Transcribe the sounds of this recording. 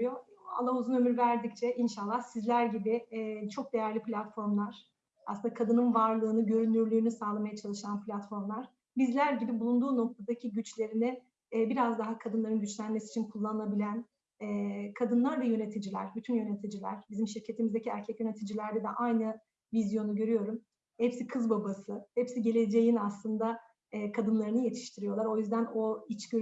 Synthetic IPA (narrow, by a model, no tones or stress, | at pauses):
joa̰lˠːauzunø̞myɾvæɾd̪ic̚t͡ʃʰɛʔinʃalˠːahsizlʲæɾɟibɪt͡ʃʰo̞k̚d̪ejæɾlʲiplʲat̪fo̞ɾmlˠaɾ̥ | aslɯnd̪akʰad̪ɯnɯnvaɾlˠɯːnɯɟø̞ɾynːyɾlʲyːnysaːlˠamajat͡ʃʰalˠɯʃanpʰlʲat̪fo̞ɾmlˠaɾ̥ | bizlʲæɾɟibibulˠund̪uːno̞k̚t̪ʰad̪acʰiɟyt͡ʃlʲe̞ɾinɪ | biɾazd̪aɦakʰad̪ɯnlˠaɾɯnɟyt͡ʃlʲænmesi̥ːt͡ʃʰinkʰulˠːanɯnabilʲæn | ɛːkʰad̪ɯnlˠaɾd̪ajø̞ne̞t̪ʰid͡ʒilʲæ̰ɾbyt̪ʰynjø̞ne̞t̪ʰid͡ʒilʲæ̰ɾ̥bizimʃiɾcʰe̞t̪ʰimizd̪eciæɾcʰɛcjøne̞t̪ʰid͡ʒilʲæɾd̪ɛd̪ɛʔajnɯ | vizjo̞nuɟø̞ɾyjo̞ɾum | hɛpsikʰɯzbabasɯhɛpsiɟe̞lʲe̞d͡ʒe̞jinaslˠɯnd̪aː | kʰad̪ɯnlˠaɾɯnɯje̞t̪ʰi̥ʃt̪ʰiɾijo̞lˠaɾo̞jyzd̪æno̞it͡ʃɟø